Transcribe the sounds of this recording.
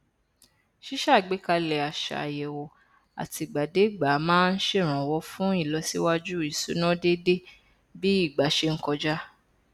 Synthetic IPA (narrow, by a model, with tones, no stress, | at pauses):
ʃi˦ʃa˦˨ɡ͡be˨˦ka˧lɛ˨a˨ʃa̰˨jɛ˨wo˨ | a̰˨ti˧ɡ͡ba˨de˨˦˨ɡ͡ba˨˦mãː˦n̩˦ʃe˦˨ɾ̃ã˨wɔ˧˦fũ˦i˦˨lɔ˨˧si˦wa˦d͡ʒu˦˨i˨su˨˦nɔ̃˦de˦de˦ | bi˦i˦˨ɡ͡ba˨˦ʃe˧ŋ̩˦kɔ˧d͡ʒa˦